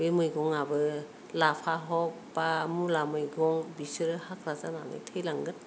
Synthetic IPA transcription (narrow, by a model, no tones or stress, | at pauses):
ɯmɯjɡɔŋabɯ | lapʰaɦɔk̚ | pamulamɯjɡɔŋbisɯɾɯhakʰɾazananɯ̰jtʰɯjlaŋɡɯn